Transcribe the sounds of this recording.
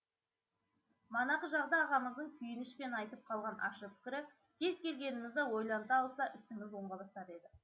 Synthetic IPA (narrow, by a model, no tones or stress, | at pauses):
mɑnɑqəʒɑʁd̪ɑːʁɑməzd̪əɴkʲʰʏjɪnɪʃpe̞nɑjt̪əp̚qʰɑlˠʁɑnʔɑ̰ʃəpʰɪ̥kʲɪɾɪ | kʲʰe̞zkʲʰe̞lɡʲe̞nɪmɪzd̪ɪwo̞jlˠɑnt̪ɑːlˠsɑʔɪsɪmɪzwo̞ɴʁɑb̪ˠɑst̪ɑt̪e̞d̪ɪ